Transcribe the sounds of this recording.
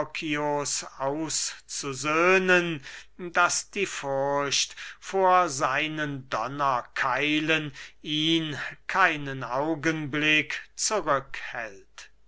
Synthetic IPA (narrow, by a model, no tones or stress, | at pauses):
kʰiosaʊst͡suzøːnəndasd̥iːfʊʁɕtfoːɐzaɪnəndɔnɐkʰaɪləniːnkʰaɪnənaʊɡənblɪkt͡suʁʏkhɛ̰lt